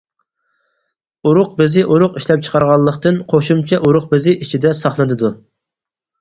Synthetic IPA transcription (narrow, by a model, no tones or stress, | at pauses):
uɾʊq̚bɪzɪʔuɾʊqiʃlɛp̚t͡ʃʰə̥qʰɑɾʁɑlˠːəqt̪ɨnqʰoʃumt͡ʃʰɛʔuɾʊq̚bɪzɪʔit͡ʃʰid̪ɛsɑχlˠɨd̪ɨd̪u